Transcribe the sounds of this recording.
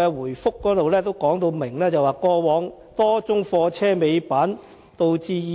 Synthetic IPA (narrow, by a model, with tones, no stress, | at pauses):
ɛː˧wuː˨˩jfʊ˥kːɔː˨˥t̪o˨wlɛː˥t̪o˥wkɔː˨˥ŋt̪o˧wmɪ˨˩ŋlɛː˥t͡sɐ˨˩waː˨˩kɔː˧wɔː˨˧ŋ | t̪ɔː˥t͡sʊ˥ŋfɔː˧t͡sʰɛː˥me˨˧jpaː˨˥n | t̪o˨˧wt͡siː˧˨